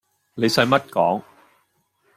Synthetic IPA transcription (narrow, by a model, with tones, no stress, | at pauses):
ne˨˧jsɐ˨˧jmɐ˥t̚kɔː˨˥ŋ